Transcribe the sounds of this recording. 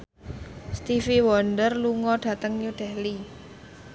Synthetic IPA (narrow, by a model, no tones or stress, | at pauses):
st̪ifiwɔnɖərluŋɔɖ̥ä̤t̪əŋjuɖ̥ɛli